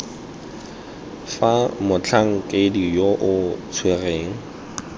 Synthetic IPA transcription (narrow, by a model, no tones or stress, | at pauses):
famʊt͡ɬʰaŋ̩kʼedijoʔʊt͡sʰwereːŋ̩